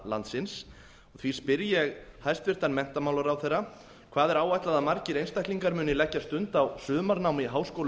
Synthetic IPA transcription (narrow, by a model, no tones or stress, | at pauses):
la̰nt̪sɪns | ɔɣθvi̥spɪɾjɛɣhajst̪vɪr̥t̪anmɛn̥t̪amawlaɾawθerːa | kʰvaːðɛɾaːwajt̪laðamaɾcɪɾejnst̪ajhkliŋkaɾmʏːnɪlɛhcːast̪ʏnt̪awsʏːmaɾnawmɪɦaːwskowl